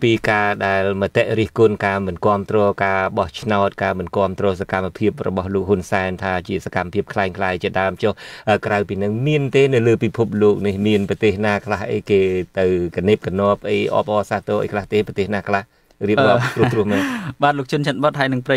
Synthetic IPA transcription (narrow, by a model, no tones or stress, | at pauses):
piːkaːɗaɛlmət̪eʔriəhkʊnkaːmɨnkŏəmt̪rɔːkaːɓɑht͡ɕʰnaɔt̪̚kaːmɨnkŏəmt̪rɔːsakamːapʰiəp̚rɔ̰ɓɑhloːk̚hunsaɛnt̪ʰaːt͡ɕiəsakamːapʰiəp̚kʰlaɛŋkʰlaːjt͡ɕiəɗaəmt͡ɕohʔəːkrawpiːnɨŋmiənt̪eːnɨwləːpipʰup̚loːk̚nihmiənprɑt̪eːhnaːkʰlahʔə̰jkeːt̪ɨwkaneːp̚kanŏəp̚ʔəjʔɑ̰ːp̚ʔɑːsaːht̪oːʔə̰jkʰlaht̪eːpɑt̪eːhnaːkʰlah | riəp̚ɗɔːt̪ruəruəhmɛɓaːt̪̚loːk̚t͡ɕʰʊnt͡ɕʰət̪̚ɓot̪̚ɦaəjnɨŋprə